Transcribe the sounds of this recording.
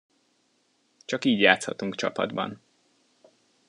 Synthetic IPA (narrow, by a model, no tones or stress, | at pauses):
t͡ʃɒkiːɟjaːt̪shɒt̪uŋkt͡ʃɒpɒ̰d̪bɒ̰n